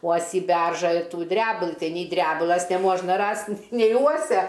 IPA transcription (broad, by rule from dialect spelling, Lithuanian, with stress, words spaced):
ˈuɔsʲiː ˈbʲɛrʒɑː ɪr ˈtuː ˈdʲrʲæːbʊlˠɨ ˈtɐɪ nʲiː ˈdʲrʲæːbʊlˠɐs nʲɛˈmuɔʒnɐ ˈrɐsʲtʲ nʲɛɪ ˈuɔsʲɛ